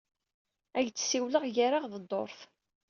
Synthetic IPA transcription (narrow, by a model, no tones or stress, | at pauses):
æʝt͡sːsiwləʁjaɾaʁðəd̪ˤːo̰ɾθ